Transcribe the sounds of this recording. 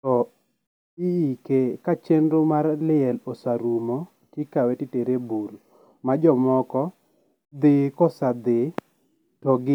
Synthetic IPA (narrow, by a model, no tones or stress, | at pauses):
tɔ | iikekat͡ʃendomarlɪɛlosaɾumo | tikawetɪteɾebuɾ | mad͡ʒɔmɔkɔ | d̪ɪkɔsad̪ɪ | tɔɡɪ